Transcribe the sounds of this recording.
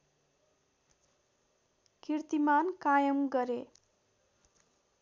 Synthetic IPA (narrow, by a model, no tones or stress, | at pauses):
kirt̪imankajʌmɡʌɾe